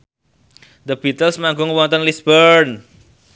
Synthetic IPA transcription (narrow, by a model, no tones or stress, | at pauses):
d̪əb̥it̪əlsmaŋɡʊŋwɔnt̪ənlisbən